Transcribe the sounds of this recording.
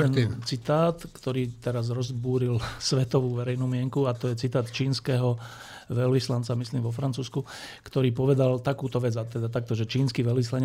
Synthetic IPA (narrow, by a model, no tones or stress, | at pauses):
ɛnt͡sit̪aːt̪kt̪ɔɾiːt̪ɛɾazɾɔzbuːɾilsʋɛt̪ɔʋuːʋɛɾɛjnuːmɪɛŋkuat̪ɔjɛt͡sit̪aːt̪t͡ʃiːnskɛɦɔ | ʋɛlʋislant͡samisliːmʋɔfɾant͡suːsku | kt̪ɔɾiːpɔʋɛd̪alt̪akuːt̪ɔʋɛd͡zat̪ɛd̪at̪ak̚t̪ɔʒɛt͡ʃiːnskiʋɛlʋislaɲ